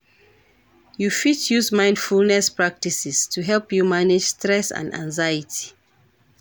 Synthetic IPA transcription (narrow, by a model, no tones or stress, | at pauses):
jufitʰjuzmãɪ̃nd̥fulnɛspɹak̚tisistʰuɦɛlpjumanɪd͡ʒstɹɛsã̰ndã̰ŋzajitʰi̥